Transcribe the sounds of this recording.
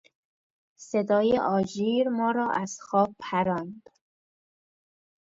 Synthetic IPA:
sed̪ɒːjeʔɒːd͡ʒiːɾmɒːɾɒːʔæz̥xɒːb̚pʰæɾɒːnd̪

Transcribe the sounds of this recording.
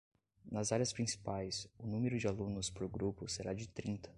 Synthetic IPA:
nɐzaɾjɐspɾĩsi̥pajsʊnũmeɾʊd͡ʒɪalũnʊspɾʊɡɾupʊseɾad͡ʒɪt̪ɾĩt̪ɐ̥

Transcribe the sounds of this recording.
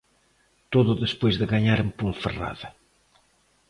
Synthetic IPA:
t̪oðʊðespojzðɪɣaɲaɾempuɱfera̰ðɐ

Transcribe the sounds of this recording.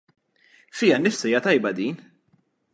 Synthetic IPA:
fiːjɐnːɪfsɐɪːjɐt̪ɐjbɐd̪iːn

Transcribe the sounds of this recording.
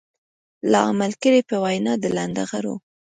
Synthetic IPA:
lɑa̰malkəɽepəwajnɑd̪əland̪aɣaɾo̰

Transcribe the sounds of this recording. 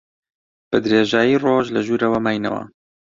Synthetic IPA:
b̥ɨd̪ɾeːʒaːjiːroːʒlɐʒuːɾɐwɐmaːjnɐ̰wɐ̰

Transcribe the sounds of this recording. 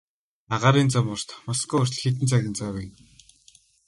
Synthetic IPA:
aʁaːɾiːnt͡samʊr̥t̪mɔskɔʊrʲɮxet̪̬ɘ̆nt͡sʰaɣɪ̆nt͡sawæn

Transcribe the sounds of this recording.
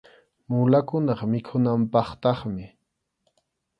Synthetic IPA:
mʊlakʊnɑχmɪkʰʊnampɑχt̪ɑχmɪ

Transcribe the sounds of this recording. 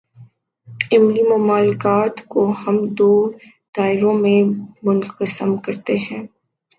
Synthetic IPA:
ɪmlimʊmaːlɪkaːt̪kohɐmd̪oː | d̪̥aːɪɾõmẽmʊnqəsəmkɐɾt̪eɦɛ̃ː

